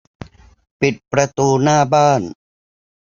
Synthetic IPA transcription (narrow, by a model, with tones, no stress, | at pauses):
pi˨˩t̪̚pɾa˧t̪uː˧naː˥˩baː˥˩n